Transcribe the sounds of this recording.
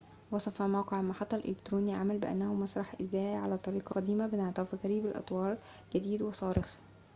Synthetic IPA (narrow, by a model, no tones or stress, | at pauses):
wɑsˤɑfɑmawqeʕlmɑħɑt̪ˤːɑlʔḛlɪkt̪ɾuːniʕamælbɪʔæ̰nːæhʊmɑsˤɾˤɑħʔɪzæːʔʕalæːt̪ˤɑɾiːqɑqɑd̪iːmæbɪneʕt̪ɑfiɣɑɾiːbɪlʔɑ̰t̪ˤwɑːɾˤ | ɡ̥æd̪iːd̪wɪsˤɑːɾɪx